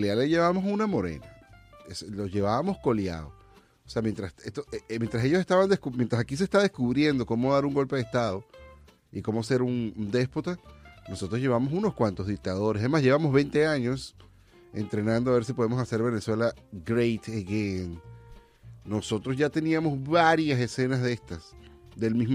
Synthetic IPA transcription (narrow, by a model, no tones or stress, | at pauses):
lealeʝe̞βaβmo̞sunamo̞ɾe̞̰naeslo̞ʝe̞βaβamo̞sko̞lja̰ðo | ose̞amjent̪ɾasest̪omjent̪ɾase̞ʝose̞st̪aβand̪ehkumje̞nt̪ɾasakis̬est̪aðe̞skuβɾje̞nd̪o̞ko̞mo̞ðaɾuŋɡo̞lpe̞ð̞est̪aðo̞ | iko̞mose̞ɾund̪e̞spot̪ano̞so̞t̪ɾoʝe̞βaβmo̞suno̞skwant̪o̞zðik̚t̪að̞o̞ɾesemaszʝeβamozβe̞jnt̪e̞aɲo̞s | e̞̰nt̪ɾe̞nãnd̪oaβe̞ɾs̬ipo̞ðemo̞sase̞ɾβe̞ne̞swe̞laɡɾejt̪eɣen | o̞so̞t̪ɾozʝat̪e̞niamo̞zβaɾjase̞se̞nazðe̞st̪asd̪e̞lmizm